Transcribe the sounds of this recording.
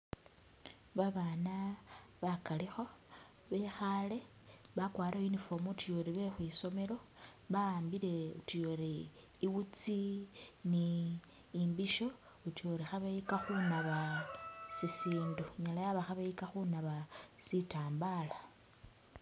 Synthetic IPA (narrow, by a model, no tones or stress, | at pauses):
βaβanaβakalixo̞ | βe̞xale̞ | βakwaːɾʔainifomutijo̞ɾiβe̞xwiso̞me̞ɾo̞βaaːmbile̞utijoɾiː | βut͡siniː | mbiʃo̞ | utijo̞ɾixaβeikaxunaβa | sisiːnduɲalajaβaxaβeikaxunaβasitaːmbala